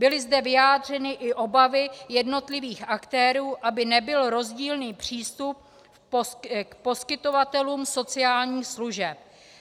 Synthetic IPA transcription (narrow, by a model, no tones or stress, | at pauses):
bɪlɪzdɛvɪjaːd̪r̝ɛnɪʔɪʔo̞bavɪjɛdno̞t̪lɪviːxʔakt̪ɛːɾuːʔabɪnɛbɪlɾo̞zɟiːlniːpr̝̥iːst̪up̚ | kpo̞skɪt̪o̞vat̪ɛluːmso̞t͡sɪaːlɲiːxsluʒɛp